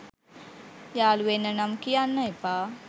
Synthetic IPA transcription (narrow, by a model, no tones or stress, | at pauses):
jaːluʋenːənamkijanːaipaː